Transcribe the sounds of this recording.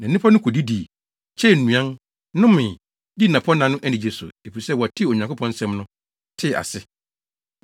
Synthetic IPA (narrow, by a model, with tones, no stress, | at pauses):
nã˨˦ĩ˦pʰɔ˦nʊ̃˦kʰo˨di˦di˨ | t͡ɕʰɛ˦˨n̩˨nũ˨ã˦n | nʊ̃˦mɪ̃˨ | di˦nã˨pʰɔ˦nã˨nʊ̃˦ʔæ˦nɪ̃˨d͡ʑe˨sʊ̰˨e˨fi˨sɛ˦wɔ˨tʰɪ˦˨o˨ɲã˨kʰʊ˦pʰɔ̃˦n̩˦sɛ̃˦mnʊ̃˦ | tʰɪ˦˨a̰˨sɪ˦